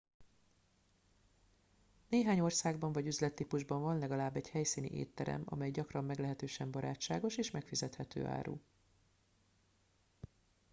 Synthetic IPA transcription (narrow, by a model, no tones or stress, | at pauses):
neːɦaːɲo̞rsaːɡbɒɱvɒɟyzlɛt̪ːiːpuʒbɒɱvɒnlɛɡɒlaːbːɛɟhɛjsiːnḭʔḛːt̪ːɛɾɛ̰mɒ̰mɛjɟɒkrɒmːɛɡlɛɦɛt̪øːʃɛmbɒɾaːt͡ʃːaːɡo̞ʃeːʃmɛkfizɛt̪hɛt̪ø̰ːʔa̰ːɾṵː